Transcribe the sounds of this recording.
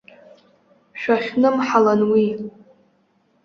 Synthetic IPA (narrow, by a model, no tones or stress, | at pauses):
ʃᶣaχʲnɨmħalanwi